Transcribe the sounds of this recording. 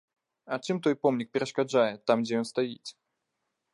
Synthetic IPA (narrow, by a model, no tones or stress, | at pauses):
ɐt͡ʂɨmt̪ɔjpɔmnʲik̚pʲɛɾɐʂkad͡ʐajɛt̪ːamɡd͡zʲɛjɔnst̪ajit͡sʲ